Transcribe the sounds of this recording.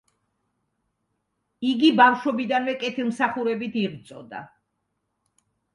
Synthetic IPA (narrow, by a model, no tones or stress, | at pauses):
iɡibafʃɔbid̪anvɛkʼɛt̪ʰilˠmsaχuɾɛbit̪ʰiʁt̪sʼɔ̰d̪a̰